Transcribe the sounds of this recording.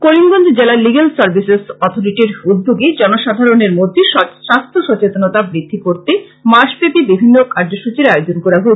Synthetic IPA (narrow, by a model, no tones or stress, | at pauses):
koɾimɡond̪ʱd͡ʑelaliɡalsaɾbʱisesɔt̪ʰoɾiʈiɾud̪bʱoɡed͡ʑɔnoʃad̪ʱaɾoneɾmod̪ʱːiʃɔdsɾast̪ʰoʃɔt͡ɕet̪onot̪abɾid̪ʱːikoɾt̪e | maʃpepibibʱinːokaɾd͡ʑoʃut͡ɕiɾajod͡ʑonkoɾaɡo